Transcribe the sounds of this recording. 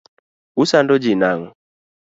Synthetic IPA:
usandɔd͡ʒinaŋɔ

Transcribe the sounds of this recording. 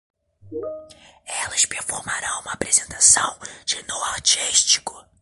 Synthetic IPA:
ɛlɐspeɾfoɾmaɾɐ̃w̃ũmɐaːpɾezẽnt̪asɐ̃w̃d͡ʒɪnowaɾt͡ʃiʃt͡ʃi̥kʊ

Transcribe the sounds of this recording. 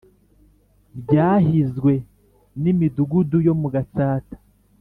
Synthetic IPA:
bjɟaːɦizɡwe̞ | nimiduɡudujo̞muɡat͡saːtḁ

